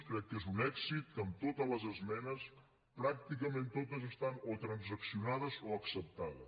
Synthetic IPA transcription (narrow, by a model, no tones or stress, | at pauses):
kɾɛkːezunɛkzit̪̚kəmt̪ot̪ələzəzmɛnəs | pɾak̚t̪ikəmẽnt̪ot̪əzəst̪anot̪ɾənzəksiunað̞əzoəksəp̚t̪aðəs